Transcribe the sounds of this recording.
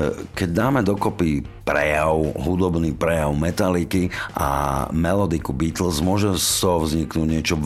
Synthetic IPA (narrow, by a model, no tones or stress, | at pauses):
kɛɟd̪aːmɛd̪ɔkɔpipɾɛjaʊɦud̪ɔbniːpɾɛjaʊmɛt̪alikiʔa̰mɛlɔd̪ikubiːt̪l̩zmʊɔʒɛsɔʋzɲiknuːɟɲɪɛt͡ʃɔ